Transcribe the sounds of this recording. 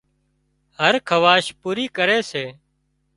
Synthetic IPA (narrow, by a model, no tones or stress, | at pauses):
həɾkʰəʋaːʃpuːɾiːkəɾeːseː